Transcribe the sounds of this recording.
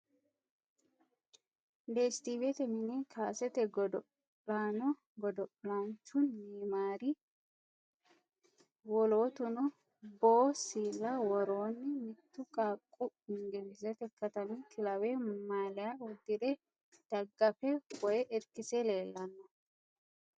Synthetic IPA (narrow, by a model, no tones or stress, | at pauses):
d̪eːst̪iːbɛt̪ɛmɪnɛkʰaːsɛt̪ɛɡɔd̪ɔ | laːnɔ | ɡɔd̪ɔlant͡ʃːʊnːiːmaːɾi | wɔlo̞ːt̪ʊnɔ | boːsiːlːɐwɔɾoːnːɪmɪt̪ːʊkʼaːkʼːʊɪŋɡɛbɪzɛt̪ɛkːɐt̪ɐmɪt̪ʰɪlɐwɛmaːlɛjaɔd̪ːɪd̪ɛ | d̪̥ɐɡːɐfɛwɔjɛʔɛɾkɪsɛleːlːɐnːɔ